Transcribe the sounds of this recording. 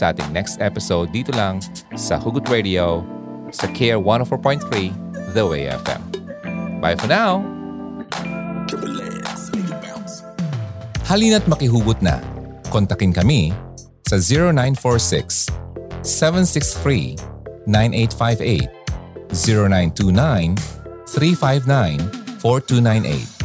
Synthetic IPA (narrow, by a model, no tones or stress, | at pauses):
sɐʔa̰ːt̪ɪ̃ŋnɛkst̪ɛpɪsowd̪̚ːiːt̪olɐŋ | sɐ̰huɡʊt̪ɹed̪io | sɐkʰɛɹwɐ̃nofɔɹpɔ̃jnt̪̚θɹi | ðɐwḛɛ̰fɛ̰m | ba̰jfɔnaw | kɛlɛsdas | hɐliːnɐt̪̚mɐkɪɦuːɡʊt̪̚nɐ̰ | kɔnt̪ɐkɪnkɐmi | sɐziɹonãj̃nfɔɹsɪ̰ksː | ɛvɛ̃nsɪksθɹinãjnʔejt̪fajvḛɪt̪̚ziɹonajnt̪unajn | θɾifajvnajnfɔɹt̪unãj̃nʔḛjt̪̚